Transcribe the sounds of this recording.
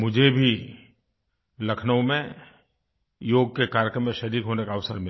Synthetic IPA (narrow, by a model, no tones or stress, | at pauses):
mʊd͡ʒʱebʱi | lɐkʰnəõmẽ | joːɡ̚kekaːɾjkɾəmːẽʃɐɾiːkɦoːnekaɐʋsəɾmɪ